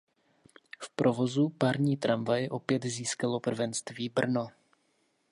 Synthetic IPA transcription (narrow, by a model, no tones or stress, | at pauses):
fpɾʔo̞vo̞zupaɾɲiːt̪ɾʔamvajɛʔo̞pjɛt̪ziːskalo̞pr̩vɛnst̪viːbr̩no